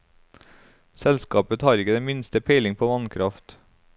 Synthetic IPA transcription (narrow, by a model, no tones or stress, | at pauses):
sɛlskɑːpət̪hɑːɾɪkəd̪ɛːmɪnst̪əpʰeɪlɪŋpʰoːʋɑnkʰɾɑft̪